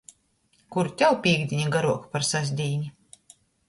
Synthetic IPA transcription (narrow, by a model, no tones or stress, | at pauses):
kuɾt̪ʲawpʲiːɡd̪ʲiɲʲaɡaɾuɔkpaɾsazʲd̪ʲiːnʲi